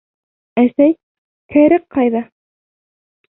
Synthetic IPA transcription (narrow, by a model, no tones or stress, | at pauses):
æsæj | kʰæ̆ɾɘqqːɑjðɑ